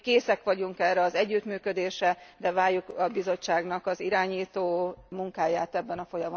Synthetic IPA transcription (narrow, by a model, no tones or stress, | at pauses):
keːsɛkʋɒɟuŋkɛːrːɛɒzɛɟːyt̪myːkø̞d̪eːʃɛd̪ɛvaːjjːukɒbizo̞t͡ʃːaːɡnɒkɒziɾaːɲiːt̪oːmuŋkaːjaːt̪ɛbːɛnɒfo̞jɒm